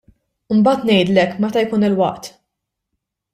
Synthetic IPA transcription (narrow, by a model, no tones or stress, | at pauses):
ʊɪmbɐːt̪nɛjd̪lɛkːmɛt̪ɐjkuːnɪlwɐʔt̪